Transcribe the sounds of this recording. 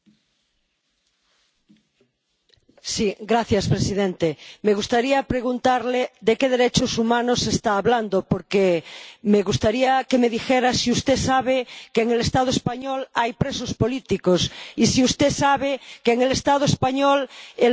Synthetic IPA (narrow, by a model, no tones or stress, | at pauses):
siɡɾaθjaspɾesiðẽnt̪emeɣ̞ust̪aɾiapɾeɣunt̪aɾleðekeðeɾet͡ʃosumãnosest̪aːβland̪opoɾkemeɣust̪aɾiakemeðixeɾasiust̪esaβekeːŋelest̪aðoespaɲolajpɾesospolit̪ikosisiust̪esaβ̞ekeːŋelest̪aðoespaɲole